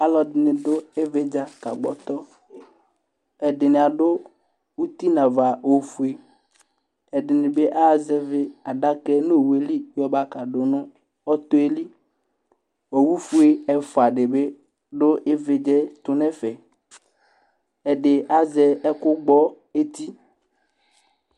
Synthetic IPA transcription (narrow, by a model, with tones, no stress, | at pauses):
a˦lɔ˨dɪ˨nɪ̃˨ɖo˦e˦ve˦d͡ʒa˦ka̰˨ɡ͡bɔ̰˨t̪ɔ˦ | ɛ˨ɖɪ˨ne˨a˨ɖo˦ | wu˦t̪i˦nã˨va˨wo˦fu˦e˦ | ɛ˨ɖɪ˨nɪ̃˨be˦ʔa˦˨zɛ˦ve˦a˨ɖa˦kɛ˦no˦˨we˨li˦jɔ˦ba˦ka˨ɖo˨nʊ̃˦ | ɔ˦t̪o˦e˦li˦ | o˨wu˦fu˦e˦ɛ˦fo˨a˨ɖe˨be˦ | ɖo˦ʔe˦ve˨d͡ʒɛ˦t̪ʊ˨nɛ̃˦fɛ˨ | ɛ˨ɖe˨ʔa˦zɛ˨ɛ˦kʊ˦ɡ͡bɔ˦ | e˦t̪i˦